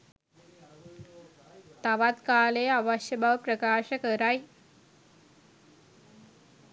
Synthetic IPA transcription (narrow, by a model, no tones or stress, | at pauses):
t̪aʋad̪kaːleaʋəʃjəbʱaʋpɾəkaːʃɐkəɾaj